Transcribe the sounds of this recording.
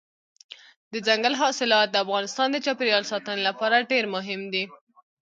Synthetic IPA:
d̪əd͡zaŋɡalɦɑsɪlɑt̪̚d̪əafɣɑnɪst̪ɑnd̪ət͡ʃɑpeɾjɑlsɑt̪ənelapɑɾaɖeɾmʊɦɪmd̪i

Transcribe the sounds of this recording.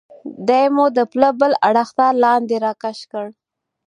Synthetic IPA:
d̪ajmud̪əpləbəlaɽaxt̪ɑlɑnd̪eɾɑkaʃkəɽ

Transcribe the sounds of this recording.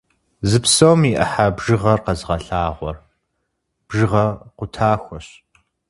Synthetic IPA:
zɨpsowmiʔɐħabʒɨʁɐrqɐzʁɐɬaːʁʷɔr | b̥ʒɨʁɐqʷʊtʰaːxʷɔɕ

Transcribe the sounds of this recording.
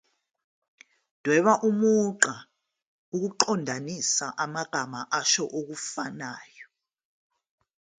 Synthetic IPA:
d̥ʱwɛɓaʔumuǃa | uk̬uǃɔndʱanisaʔamaɡ̥ʱamaʔaʃɔʔok̬ufanaːjɔ

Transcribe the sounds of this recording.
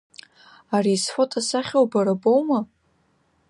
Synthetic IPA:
ariːsħʷotʰasaχʲowbaɾabowma

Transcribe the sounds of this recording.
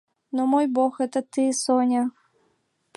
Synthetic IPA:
nomojboxɛt̪ət̪ːɨsonʲa | pʲ

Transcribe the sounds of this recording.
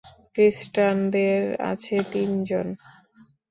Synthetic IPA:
kɾisʈand̪eɾa̰t͡ɕʰet̪ind͡ʑon

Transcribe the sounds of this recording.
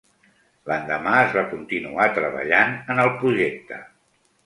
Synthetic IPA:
lənd̪əmaəzβakunt̪inuat̪ɾəβə̰ʎanənəlˠpɾuʒek̚t̪ə

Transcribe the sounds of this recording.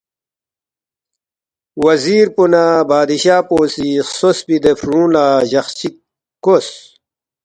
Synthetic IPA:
wɐziːɾpunabaːd̪iɕaːpoːsisosbid̪efɾũːlaːʑɐxt͡ɕi | kos

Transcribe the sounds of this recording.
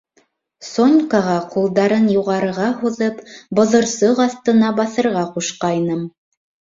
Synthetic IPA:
sonʲkaʁɑqulˠd̪ɑɾɤnjuʁɑɾɤ̆ʁɑɦuðɤpbŏðŏɾsɤʁɑθt̪ɤ̆nɑbɑθɤ̆ɾʁɑquʃqɑjnɤm

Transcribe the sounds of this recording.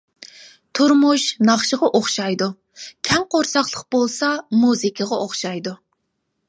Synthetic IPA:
t̪ʰuɾmuʃnɑχʃəʁɑʔoχʃɑjd̪u | kʲʰɛŋqʰoɾsɑχlˠəq̚bolˠsɑmuzɪkʲʰəʁɑʔoχʃɑjd̪u

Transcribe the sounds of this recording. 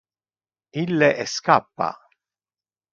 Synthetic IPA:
ilːeʔɛskapːa̰

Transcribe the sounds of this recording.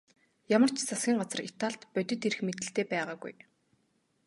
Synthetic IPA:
jamə̆r̥t͡ɕʰt͡sʰasɡʲiːŋɢat͡sə̆rit̪ʰaɮt̪pœt̪ʲɵ̆t̪erɘ̆xmet̪̬ɘ̆ɬt̪eːpæːʁaːɡṵj

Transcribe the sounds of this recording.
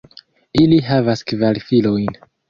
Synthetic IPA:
iliɦavaskvalifilojn

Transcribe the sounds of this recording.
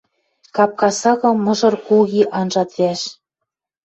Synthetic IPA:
kɑp̚kɑsɑɣɤ̆mɤ̆ʒɤ̆rkuɣiʔɑnʒɑt̪væʃ

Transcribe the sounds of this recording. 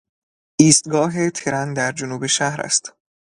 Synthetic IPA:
ʔiːst̪̚ɡɒːɦe̞t̪ʰeɾænd̪æɾd͡ʒonuːbe̞ʃæhɾæ̰st̪

